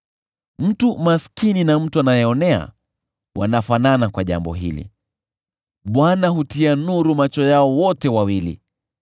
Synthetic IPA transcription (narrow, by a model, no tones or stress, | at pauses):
m̩tumaskininam̩tuanajɛɔnɛa̰ | wʔa̰nafananakwaʄa̰mbɔ̰ɦḭlḭ | ɓwanaɦutianuɾumat͡ʃɔjaɔwɔtɛwawilḭ